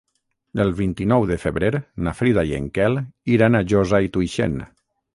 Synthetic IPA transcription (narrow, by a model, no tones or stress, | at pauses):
əlˠβint̪inɔwðəfəβɾeɾnafɾiðajḛŋkɛliɾanaʒɔzait̪uiʃḛn